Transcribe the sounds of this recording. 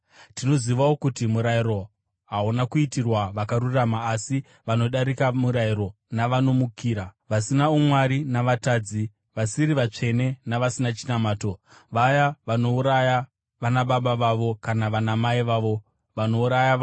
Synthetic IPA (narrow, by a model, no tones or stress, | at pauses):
tino̞ziʋawokutimuɾaiɾo̞ | ɦaunakuitirwaʋakaɾuramaːsi | ʋano̞ɗaɾikamuɾaiɾo̞ | naʋano̞mukʰiːɾaʋasinaumwaɾinaʋataːd͡zi | ʋasiɾiʋat͡ʂe̞ne̞naʋasinat͡ʃinamaːto̞ | ʋajaʋano̞uɾaja | ʋanaɓaɓaʋaʋo̞kanaʋanamaiʋaːʋo̞ | ʋanouɾaja